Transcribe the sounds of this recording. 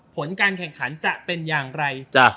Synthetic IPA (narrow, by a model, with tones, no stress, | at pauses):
pʰo˩˦nkaː˧nkʰɛ˨˩ŋkʰa˩˦nt͡ɕa˨˩ʔpe˧njaː˨˩ŋɾa˧jt͡ɕa˧˩